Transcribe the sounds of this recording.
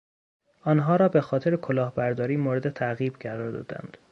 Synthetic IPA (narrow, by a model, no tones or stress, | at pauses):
ʔɒːnɦɒːɾɒːbe̞xɒːt̪ʰe̞ɾekʰolɒːhbæɾd̪ɒːɾiːmoːɾed̪et̪ʰæɣiːbɡæɾɒːɾd̪ɒ̰ːd̪æ̰nd̪̥